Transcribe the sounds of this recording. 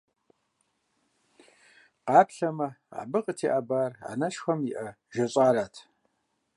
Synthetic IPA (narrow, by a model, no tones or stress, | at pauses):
qɑːpɬɐmɐa̰bɨqʼətʰiːʔabaːra̰nɐʃxʷɐmjɪʔɐ | ʒɐɕʼaːraːtʰ